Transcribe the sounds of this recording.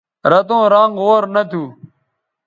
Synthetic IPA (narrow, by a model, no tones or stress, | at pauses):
ɾət̪õːɾãːŋɡoːɾnət̪ʰuː